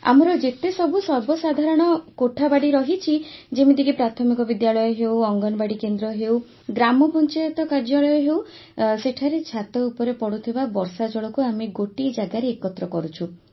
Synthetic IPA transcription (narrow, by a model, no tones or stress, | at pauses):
a̰mɔɾɔd͡ʒet̪esɔbʱusɔɾbɔsad̪ʱaɾɔɽ̃ɔkoʈʰabaɽiɾɔɦit͡ʃʰid͡ʒemid̪ikipɾat̪ʰɔmikɔbid̪jaɭɔjɔɦewɔŋɡɔnɔbaɽikend̪ɾɔɦew | ɡɾamɔpɔnt͡ʃajɔt̪ɔkaɾd͡ʒɔɭɔjɔɦew | seʈʰaɾet͡ʃʰat̪ɔupɔɾepɔɽut̪ʰibabɔɾsad͡ʒɔɭɔkuamiɡoʈid͡ʒaɡaɾeːkɔt̪ɾɔkɔɾut͡ʃʰu